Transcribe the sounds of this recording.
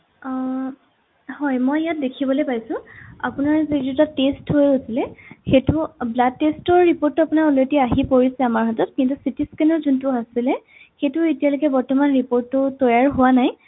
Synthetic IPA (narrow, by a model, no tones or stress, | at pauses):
hɔjmɔjjat̚dekʰibɔlojpajsʊ̃a̰pʊnaɹzetutatesthojosilɛxetʊblad̚ːestɔɹːipoɹtːʊapʊnaɹɔlediaɦipoɹisɛamaɹɦɔtɔt̚kintusitiskɛnɔɹzuntʊasilɛ | xetʊetijalokɛbɔɹtɔmanɹipoɹtːʊtɔjaɹɦʊwanaj